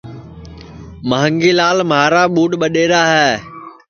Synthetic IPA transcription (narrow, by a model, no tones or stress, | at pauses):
məːəŋɡiːlaːlmaːɾaːɓuːɖɓəɗeːɾaːɦɛː